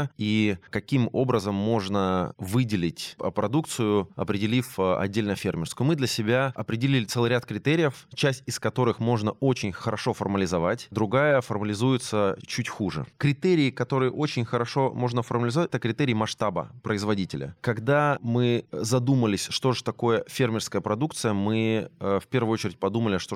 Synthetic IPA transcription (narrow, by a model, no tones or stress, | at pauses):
ikɐkʲimo̞bɾəzəmːo̞ʐnəvɨdʲɪlʲɪtʲpɾɐd̪ukt̪sɨjʊɐ̰pɾʲɪdʲɪlʲifɐ̰dʲːelʲnəjəfʲermʲɪrskʊjʊmɨd̪lʲəsʲɪbʲaɐpɾʲɪdʲɪlʲilʲɪt̪sɛlˠɨɾʲat̪̚kɾʲɪt̪eɾʲɪjəft͡ɕæsʲtʲɪskɐt̪o̞ɾɨxmo̞ʐnəot͡ɕɪnʲxəɾɐʂo̞fɐrməlʲɪzɐvatʲd̪ɾʊɡajəfɐrməlʲɪzujɪt̪sət͡ɕutʲxuʐɨ̰kɾʲɪt̪eɾʲɪːkɐt̪o̞ɾɨjəʔo̞t͡ɕɪnʲxəɾɐʂo̞mo̞ʐnəfərməlʲɪzɐvatʲɛt̪əkɾʲɪt̪eɾʲɪːmɐʂt̪abə̰pɾəɪzvɐdʲitʲɪlʲə̰kɐɡd̪amɨzɐd̪uməlʲɪsʲʂt̪o̞ʐɨt̪ɐko̞jəfʲermʲɪrskəjəpɾɐd̪ukt̪sɨjəmɨfpʲe̞rvʊot͡ɕɪɾʲɪt̚ʲpɐd̪uməlʲɪʂt̪o